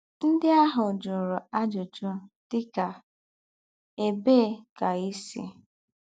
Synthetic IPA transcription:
n̩˦dɪ˦a˦ɦʊ˨d͡ʒʊ˨ɾɔ˨a˦d͡ʒo˨d͡ʒo˦tɪ˦ka˨ | e˨be˦˨ka˨i˦sḭ˦

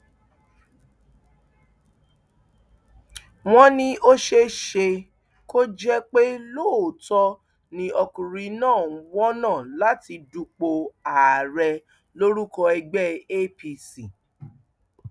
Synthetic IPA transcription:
w̃ɔ̃˦nĩ˧ʔo˦ʃe˧ʃe˧ | ko˦d͡ʒɛ˦k͡pe˦loː˦˨tɔ˧ | nĩ˧ɔ˧kũ˨ɾi˨˦nãː˦˨˦wɔ˦nãː˦˨la˨˦ti˧du˧k͡po˧a˨ɾɛ˧ | lo˦ɾu˦kɔ˧ɛ˧ɡ͡bɛ˦˨e˦pi˧si˨

